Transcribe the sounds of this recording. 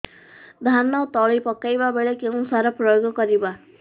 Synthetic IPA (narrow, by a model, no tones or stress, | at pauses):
d̪ʱanawt̪ɔɭipɔkajbabeɭekeũsaɾɔpɾɔjoɡɔkɔɾiba